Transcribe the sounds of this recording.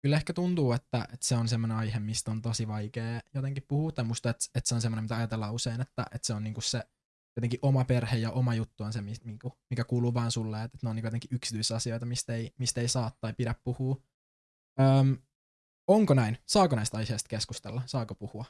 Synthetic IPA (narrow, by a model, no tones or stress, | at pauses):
kylːehkæt̪unt̪uːet̪ːæʔet̪seonsemːoneɑjhemmist̪ont̪osiʋɑjkeːjot̪eŋkippuhuːt̪ːɑimuist̪ɑet̪et̪seonsemːonemit̪æɑjɑt̪elːɑːuseinet̪ːæʔet̪seonniːŋkusse | jot̪eŋkiʔomɑperhejjɑʔomɑjut̪ːuonsemimiŋkumikækuːluːʋɑːnsulːeːet̪ːet̪neoniːŋkujot̪eŋkiʔyksit̪yisɑsio̞jt̪ɑmist̪eimist̪eisɑːt̪ːɑjpidæppuhuː | əːm | oŋkonæinsɑːkonɑist̪ɑihest̪̚keskust̪elːɑsɑːkopuhuɑ